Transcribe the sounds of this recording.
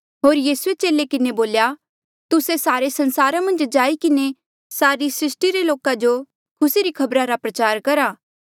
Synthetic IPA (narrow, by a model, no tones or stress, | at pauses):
ɦoːɾjiːsuet͡ʃeːlekɪneboːlja | t̪ʊsesaːɾesɐ̃nsaːɾamɐ̃nd͡ʒd͡ʒaːikɪne | saːɾisɾɪsʈiɾeloːkad͡ʒo | kʰʊsiɾikʰɐbɾaɾapɾɐt͡ʃaːɾkɐɾaː